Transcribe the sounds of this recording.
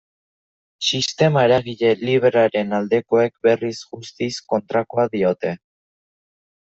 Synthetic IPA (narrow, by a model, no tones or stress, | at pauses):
sist̪e̞maeɾaɣiʎe̞liβeɾaɾe̞nald̪e̞ko̞e̞kbe̞risɣust̪isko̞nt̪ɾakoaðio̞t̪e̞